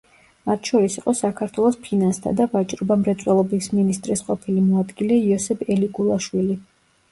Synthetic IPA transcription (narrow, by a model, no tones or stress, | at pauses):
mat̪ʰʃɔɾisiqʼɔsakʰaɾt̪ʰwɛlˠɔspʰinanst̪ʰa̰d̪avat͡ʃʼɾɔbamɾɛt̪sʼwɛlˠɔbisminist̪ʼɾisqʼɔpʰilimɔad̪ɡilɛiɔsɛbʰɛliɡʼulˠaʃwili